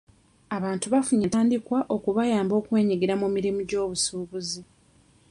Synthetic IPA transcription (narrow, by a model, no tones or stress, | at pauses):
aβaːntuβafuɲentaːndikwaʔo̞kuβajaːmbo̞ːkwe̞ːɲiɡiɾamumiɾimuɟo̞ːβusuːβuzi